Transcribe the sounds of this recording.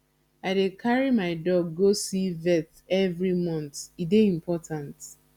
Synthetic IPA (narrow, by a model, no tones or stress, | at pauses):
aɪdekʰaɹimaɪdɔɡːosivɛt | ɛvɹimɔ̃ntideĩmpʰɔtʰãnt